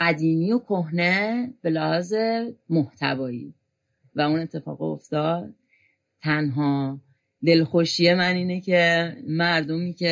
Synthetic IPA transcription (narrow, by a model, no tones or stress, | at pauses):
æd̪iːmiːjokʰoɦne̞b̥e̞læhɒːze̞moht̪ʰæ̰vɒːjḭː | væune̞t̪ʰːe̞fɒ̰ːɣ̰o̰ft̪ɒd̪̥̚ | t̪ʰːænɦɒː | d̪e̞lxoʃije̞mæniːnecʰemæɾd̪omiːcʰe